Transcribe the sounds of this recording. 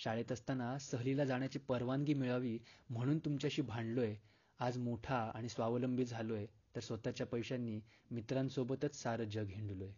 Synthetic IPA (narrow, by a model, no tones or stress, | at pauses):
ɕaɭet̪əst̪anasəɦlilad͡zaɳjat͡ɕiːpəɾʋaŋɡiːmiɭaʋiːm̤əɽ̃uːnt̪umt͡ɕjaɕiːbʱaɳɖloje | ad͡zmoʈʰaaɽ̃isʋaʋləmbit̪d͡zʱalojet̪əɾsʋət̪at͡ɕjapəjɕanːiː | mit̪ɾãnsobət̪ət͡ssaɾəd͡ʑəɡʱiɳɖuloje